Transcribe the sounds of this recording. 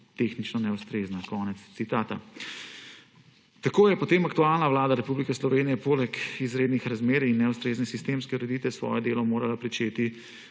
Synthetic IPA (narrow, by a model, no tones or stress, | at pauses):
t̪exnit͡ʃnɔnɛust̪ɾeːznakɔːnɛt̪st̪sit̪aːt̪a | t̪akoːjɛpɔt̪eːmakt̪ualnaʋlaːd̪aɾɛpublikɛslɔʋeːnijɛpoːlɛkizɾeːd̪nixɾazmeːɾinːɛwst̪ɾeːznɛsist̪eːmskɛuɾɛd̪iːt̪ʋɛsʋɔ̰ːjɛd̪eːlɔmoːɾalapɾit͡ʃeːt̪i